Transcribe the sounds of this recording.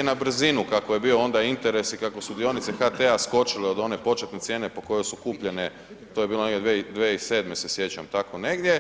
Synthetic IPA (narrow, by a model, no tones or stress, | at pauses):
enabr̩zinukakoje̞biːo̞o̞nd̪aint̪e̞ɾe̞sikako̞sud̪ijo̞nit̪se̞xat̪easko̞t͡ʃileo̞d̪o̞ne̞po̞t͡ʃet̪ne̞t̪sje̞ːne̞po̞ko̞jojsukuːpʎe̞ne̞ | t̪o̞jebiːlo̞neɡdʲjeʋed̪ʋeise̞d̪me̞sesje̞t͡ɕamt̪ako̞ne̞ɡd̪je